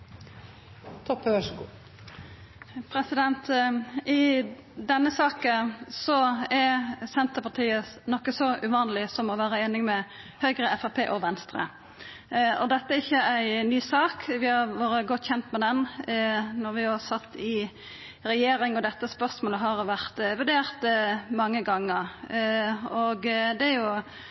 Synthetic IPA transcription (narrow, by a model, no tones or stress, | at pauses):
t̪ʰɔpːɑʂ | pʰɾɛsɪd̪ɛnt̪ɪ | d̪ɛnːəsɑːkəsɔɛɾsɛnt̪əpɑt̪ʰiːənɔkːəsɔʔʉʋɑːnəlɪsɔmɔʋæːɾəeːnɪŋmɛ | hœʏɡɾəɛfɑpʰeːʔɔʋɛnst̪ɾə̰ | ɔd̪ɛt̪ːəæɾɪçːəæɪnyːsɑːkʋɪhɑɾʋɑːɾəɡɔt̪ːçɛnt̪mɛd̪ɛn | nɔɾʋɪhɑsɑt̪ːɪ | ɾɛjeːɾɪŋɔd̪ɛt̪ːəspœʁsmoːləɦɑɾʋæʁt̪ʋʉɖ̪eːʁt̪mɑŋːəɡɑŋːəɾ | ɔɡd̪ɛæɾjʊ